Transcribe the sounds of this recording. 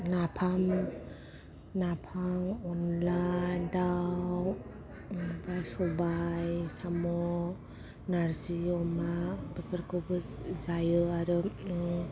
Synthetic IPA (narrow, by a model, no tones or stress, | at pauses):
napʰam | napʰaŋɔnladaw | basɔbajsamɔ | naɾziɔmabɯpɯɾkɔbɯszajɯaɾɯ